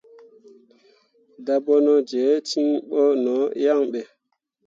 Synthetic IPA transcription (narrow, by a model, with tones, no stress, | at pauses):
da˦bɔ˦nɔ˦d͡ʒe˨˦ti˦ŋɓɔ˦nɔ˨˦ja˦ŋɓɛ˨